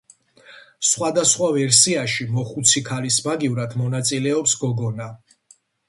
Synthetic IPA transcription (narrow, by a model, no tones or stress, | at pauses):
sχwad̪asχwavɛɾsiaʃimɔχut̪sʰikʰalismaɡivɾad̪mɔnat̪sʼilɛɔpsɡɔɡɔna